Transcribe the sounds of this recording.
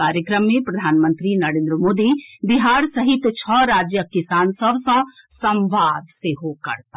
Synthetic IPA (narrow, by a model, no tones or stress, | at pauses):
aːɾjəkɾəmːẽpɾɐd̪ʱaːnmə̃nt̪ɾinɐɾẽːnd̪ɾəmoːd̪ibiɦaːɾsɐɦit̪t͡ʃʰɔɾaːd͡ʒjəkisaːnsɐbsɐ̃ | sɐ̃mʋaːd̪seɦokɐ̰ɾt̪a